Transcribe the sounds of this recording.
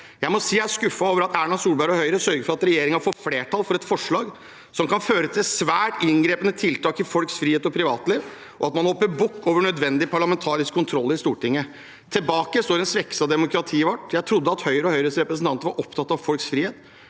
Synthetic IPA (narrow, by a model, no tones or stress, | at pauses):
jæɪmɔsiːæskʉfːɑoːʋəɾɑt̪æːɳɑsuːlbæɾɔhœʏɾəsœɾɡəɾfɔɾɑt̪ɾɛjeːɾɪŋɑfɔfleːʈʰɑlfɔɾɛt̪fɔʂɭɑːɡ | sɔmkɑnføːɾət̪ʰɪlsʋæːʈɪŋɡɾeːpənət̪ʰɪlt̪ʰɑːkɪfɔlksfɾiːheːt̪ɔpʰɾɪʋɑːt̪leːʋ | ʔɔɑt̪mɑnhɔpːəbʊkːoːʋəɳœd̪ʋɛnd̪ɪpʰɑɭɑmɛnt̪ʰɑːɾɪskʰːʊnt̪ʰɾɔlːɪst̪uːʈɪŋːə | t̪ʰɪlbɑːkəst̪oːɾɛnsʋɛkːsɑd̪ɛmʊkɾɑt̪ʰiːʋɑʈːjæɪt̪ʰɾʊd̪ːəɑt̪hœʏɾəɔhœʏɾəsɾɛpɾəsn̩t̪ɑnt̪əʋɑɾʔɔpt̪ʰɑt̪ːɑʋfɔlksfɾiːheːt̪